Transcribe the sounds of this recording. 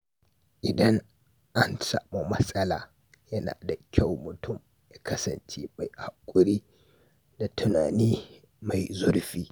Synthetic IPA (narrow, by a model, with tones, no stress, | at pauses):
ʔɪ˨dɐ˦ŋ | ʔa˦nsa̰˨mo˨mɐ˦sʼɐ˦laː˨ | jɐ˦na̰ː˨da˨kʲʰa˦˨wmʊ˨tʊ˦m | ja˨kɐ˦sɐ˨nt͡ʃe˦ma˨jha˨kʷʼːʊ˦ɾiː˦ | da˨tʰʊ˦naː˨niː˦ | ma˨jzʊ˦ɾɸiː˦